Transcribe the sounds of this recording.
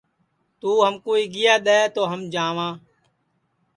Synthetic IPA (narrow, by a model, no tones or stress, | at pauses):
t̪uːɦəmkuːiːɡɪjaːɗ̪ɛːt̪oːɦəmd͡ʒãːʋãː